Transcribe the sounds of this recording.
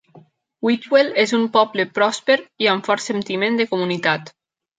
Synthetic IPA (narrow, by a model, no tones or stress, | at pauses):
wit̪welezumpɔblepɾɔspeɾiaɱfɔɾsent̪imẽnd̪ekomunit̪at̪